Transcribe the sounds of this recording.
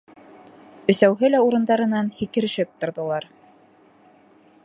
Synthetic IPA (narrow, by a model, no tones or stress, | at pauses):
ɵ̆sæwɦɘlæuɾɤ̆nd̪ɑɾɤ̆nɑnhikɘ̆ɾɘ̆ʃɘp̚t̪ŏɾðɤ̆lˠɑɾ